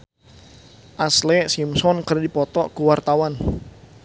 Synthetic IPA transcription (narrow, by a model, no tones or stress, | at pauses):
ʔaslɛsimsɔnkərdipɔt̪ɔkuwart̪awan